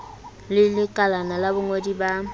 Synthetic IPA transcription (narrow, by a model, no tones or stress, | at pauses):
lɪlɪkʼalanalabʊŋodiba